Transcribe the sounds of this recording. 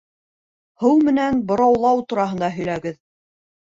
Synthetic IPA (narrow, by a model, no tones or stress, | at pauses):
hɤwmɘ̆nænbŏɾɑwlˠɑwt̪uɾɑɦɤ̆nd̪ɑɦɵ̆jlæɡɘð